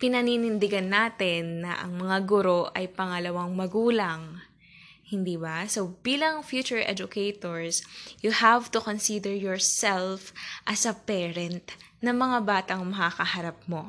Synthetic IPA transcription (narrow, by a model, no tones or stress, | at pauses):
pɪnɐniːnɪnd̪ɪɡanːaːt̪ɪnːɐ̰ʔɐ̰ŋmɐŋaɡʊɾo̞ʔɐjpɐŋɐlɐwaŋmɐɡuːlɐŋ | hɪnd̪iːbɐsobiːlɐŋfjuːt͡ʃʊɹʔɛ̰d͡ʒʊkejt̪oɹsjʊhavt̪ʊkonsid̪ɛɹjɔɹsɛlfʔɐsɐpɛːɾɛnt̪ | nɐŋmɐŋabaːt̪ɐŋmɐkakɐhɐɾap̚mo̞